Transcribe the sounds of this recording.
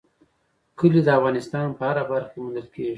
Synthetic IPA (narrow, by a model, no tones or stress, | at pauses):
kəlid̪əafɣɑnɪst̪ɑnpəhaɾabaɾxkemʊnd̪əlkeʒ